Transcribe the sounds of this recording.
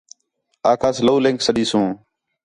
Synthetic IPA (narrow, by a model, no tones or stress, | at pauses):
aːkʰaːsləuːlẽŋksəɗiːsũː